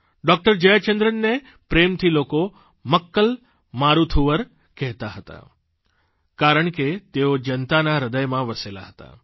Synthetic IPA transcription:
ɖɔk̚ʈəɾd͡ʒəjat͡ʃənd̪ɾənːe | pɾemt̪ʰiloko | məkːəl | maɾut̪ʰuʋəɾ | kɛɦt̪aɦət̪a̰ | kaɾəɳket̪eod͡ʒənt̪anaɾəd̪əjmãʋəsela̰ɦət̪a̰

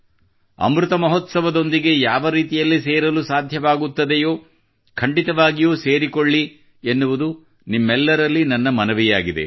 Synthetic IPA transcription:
ɐ̰mɾut̪ɐmɐɦot̪sɐʋɐd̪o̞nd̪iɡe̞jaːʋɐɾiːt̪ijɐlːiseːɾɐlusaːd̪ʱjɐʋaːɡut̪ːɐd̪ejoː | kʰɐɳɖit̪ɐʋaːɡijuːseːɾikoɭːi | enːuʋud̪u | nimːɛlːɐɾɐlːinɐnːɐmɐnɐʋijaːɡid̪e̞̰

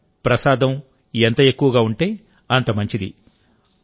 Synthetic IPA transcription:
pɾɐsaːd̪ɐm | ent̪ɐe̞kːuʋɐɡaːuɳʈeː | ɐnt̪ɐmɐɲt͡ʃid̪ḭ

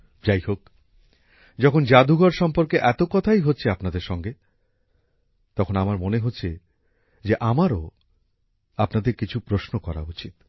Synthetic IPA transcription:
d͡ʑajhok | d͡ʑɔkʰond͡ʑad̪uɡaɾʃɔmpoɾkeʔɛt̪okɔt̪ʰajɦotːɕʰeapnad̪eɾʃɔŋɡe | t̪ɔkʰonamaɾmoneɦotːɕʰe | d͡ʑeʔamaɾo | apnad̪eɾkit͡ɕʰupɾosnokɔɾa̰ut͡ɕit̪̚

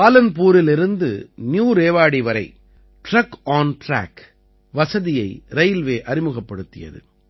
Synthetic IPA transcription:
aːlɐnpuːɾɪlɪɾɯnd̪ɯ̰njuːɾeːʋaːɽiʋɐɾɐɪ | ʈɾɐkːaːnʈɾa̰ːk | ʋɐsɐðɪjɐɪɾɐjɪlʋeːʔɐɾɪmɯɣɐpːɐɽɯt̪ːɪjɐ̰ðɯ̰

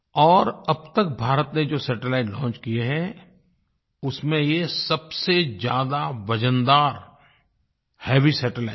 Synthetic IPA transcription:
ɔːɾɐb̚t̪ək̚bʱaːɾət̪ned͡ʒoːsɛːʈəlaːɪʈlɔ̃ːnt͡ʃkijeɦɛ | ʊsmẽjesɐbsed͡ʒjaːd̪aʋɐd͡ʒənd̪aːɾ | heːʋisɛːʈəlaɪ

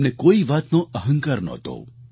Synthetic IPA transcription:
nekoːiʋaːt̪nõʔɐɦə̃ŋkaːɾnɔ̰ːt̪o̰ː

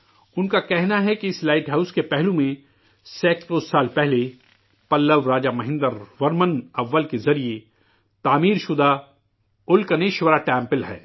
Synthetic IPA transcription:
ʊnkakɛɦnaɦɛkiɪslaːɪʈɦaːʊskepɛɦlũmẽ | sɛːkpoːsːaːlpɛɦle | pɐlːəʋɾaːd͡ʒamɐɦɪ̃nd̪əɾʋɐɾmənɐʋːəlkezɐɾie | t̪aːmiːɾʃʊd̪a | ʊlkɐneːʃʋəɾaʈɛ̃ːmpɪlɦɛ̰ː

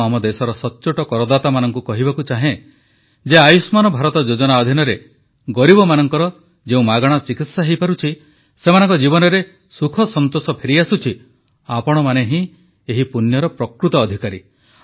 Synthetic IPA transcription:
amɔd̪esɔɾɔsɔtːt͡ʃoʈɔkɔɾɔd̪at̪amanɔŋkukɔɦibakut͡ʃaɦẽ | d͡ʒeajusmanɔbʱaɾɔt̪ɔd͡ʒod͡ʒɔnaɔd̪ʱinɔɾe | ɡɔɾibɔmanɔŋkɔɾɔ | d͡ʒeũmaɡɔɽ̃ɔt͡ʃikit̪saɦejpaɾut͡ʃʰi | semanɔŋkɔd͡ʒibɔnɔɾe | sukʰɔsɔnt̪osɔpʰeɾiasut͡ʃʰi | apɔɽ̃ɔmaneɦĩ | eɦipunjɔɾɔpɾɔkɾut̪ɔːd̪ʱikaɾi

